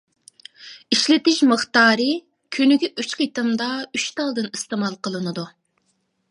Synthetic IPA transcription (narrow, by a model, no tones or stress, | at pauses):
iʃlɪt̪ɪʃməχt̪ɑːɾɨ | kʲʰynyɡʲɛʔyt͡ʃqit̪ɨmd̪ɑyt͡ʃt̪ɑlˠd̪ɨnist̪ɨmɑlˠqəlˠɨnɨd̪u